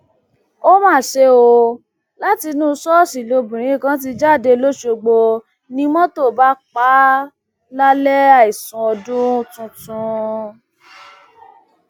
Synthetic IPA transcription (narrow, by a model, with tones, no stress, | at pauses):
o˦mãː˦˨ʃe˧o˧ | la˦ti˧nũ˦˧sɔ˦˨si˨lo˧bũ˨ɾ̃ĩ˨˦˨kã˦t̬i˧d͡ʒa˦˨de˧lo˦ʃo˧ɡ͡bo˧ | nĩ˧˦mɔ̃˦to˦˨ba˦k͡pa˨˦ | la˦lɛ˦a˦˨i˨sũ˨ɔ˧dũ˦tũ˧tũ˧